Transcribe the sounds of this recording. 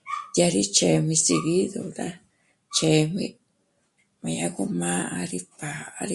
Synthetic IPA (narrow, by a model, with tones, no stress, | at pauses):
ja˧ɾi˦t͡ʃe˨mĩ˧si˧ɡi˦d̪o˨d̪a˦ | t͡ʃe˨mḭ˧ | ma˨˧ja˧ku˧ma˦a˧ɾi˧pa˨a˧ɾi˦